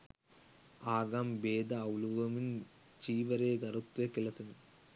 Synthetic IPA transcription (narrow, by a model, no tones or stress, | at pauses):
aːɡaːmbeːd̪aːuluʋɐmin | t͡ʃiːʋɐɾeːɡɐɾut̪ʋɐkɪlɐsɐn